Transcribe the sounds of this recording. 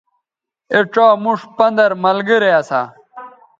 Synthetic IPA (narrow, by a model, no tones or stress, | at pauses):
eʈ͡ʂaːmuʂpɐnd̪ɐɾmɐlɡiɾeɐsa̰